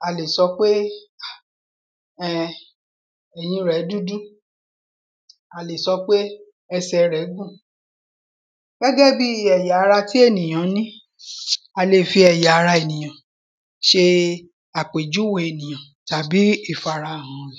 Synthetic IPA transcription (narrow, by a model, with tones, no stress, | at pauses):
a˨le˨sɔ˧k͡pe˦a˨ | ɛ˦˨ | ɛ˨j̃ĩ˧ɾɛ˨˦du˦du˦ | a˨le˨sɔ˧˦k͡pe˦ | ɛ˧sɛ˧ɾɛ˨˦ɡũ˦˨ | ɡ̥ɛ˦ɡɛ˦bi˦ɛ˨ja˨˦˧ɾa˧ti˦e˦˨nĩ˨j̃ã˨˦nĩ˦ | a˧le˧˨fi˧ɛ˨ja˨a˨˧ɾa˧e˨nĩ˨j̃ã˨ | ʃe˧ | a˨k͡pe˨d͡ʒu˨˦we˨e˨nĩ˨j̃ã˨ | ta˨bi˦i˦˨fa˨ɾa˧˨hã˨˦ɛ˨